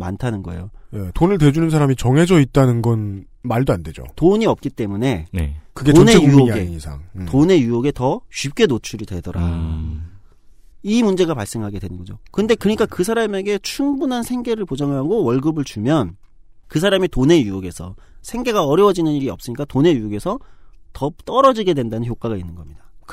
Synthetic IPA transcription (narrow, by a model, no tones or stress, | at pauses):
ma̰ntʰanɯnɡʌḛjojetonɯɭtwe̞d͡ʑunɯnsʰaɾamit͡ɕʌŋɦe̞d͡ʑʌit̚t͈anɯnɡʌn | maɭdoande̞d͡ʑo̰toɲiʌp̚k͈it͈e̞mune̞nekɯɡeoneejuoiɡeisʰa̰ŋtone̞juoɡe̞tʌɕɥip̚k͈e̞not͡ɕʰuɾidwe̞dʌɾa̰ | imund͡ʑe̞ɡapaɭs͈e̞ŋɦaɡe̞dwe̞nɯnɡʌd͡ʑo̰kɯnde̞kɯɲik͈akɯs̬ʰaɾame̞ɡe̞t͡ɕʰumbunɦansʰe̞ŋɡe̞ɾɯɭpod͡ʑaŋɦaɡowʌɭɡɯbɯɭt͡ɕumjʌn | kɯs̬ʰaɾamitone̞juʌɡe̞sʰʌ | sʰe̞ŋɡe̞ɡaʌɾjʌwʌd͡ʑinɯniɾiʌp̚s͈ɯɲik͈atone̞juoɡe̞sʰʌtʌt͈ʌɾʌd͡ʑiɡe̞dwe̞ndanɯnçok͈aɡainːɯnɡʌmɲida